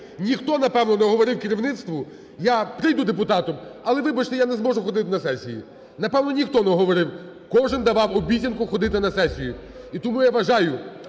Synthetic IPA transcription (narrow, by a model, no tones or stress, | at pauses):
nʲixt̪ɔnɐpɛwnɔnɛɔɦɔʋɔɾɪwkɪɾʲiʋnɪt̪st̪ʋʊ | japɾɪjd̪ʊd̪epʊt̪ɑt̪ɔmɐlˠɛʋɪbɐt͡ʃt̪ɛjanɛzmɔʐʊxɔd̪ɪt̪ɪnɐsɛsʲijḭ | nɐpɛwnɔnʲixt̪ɔnɛɔɦɔʋɔɾɪw | kɔʒɪnd̪ɐʋɑwɔbʲitʲɐnkʊxɔd̪ɪt̪ɪnɐsɛsʲijʊit̪ɔmujaʋɐʒɑjʊ